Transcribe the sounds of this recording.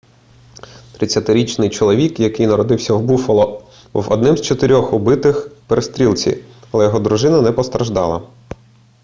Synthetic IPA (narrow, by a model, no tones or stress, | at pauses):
t̪ɾɪt͡sʲːɐt̪ɪɾʲit͡ʃnɪjt͡ʃɔlˠɔʋʲikjɐkɪjnɐɾɔd̪ɪwsʲɐwbufɔlˠɔ | bṵwɔ̰d̪nɪmz̥t͡ʃɔt̪ɪɾʲɔxʊbɪt̪ɪxpeɾʔest̪ɾʲilʲˠt͡sʲḭɐlˠɛjɔɦɔd̪ɾʊʒɪnɐnɛpɔst̪ɾɐʒd̪ɑ̰lˠɐ̰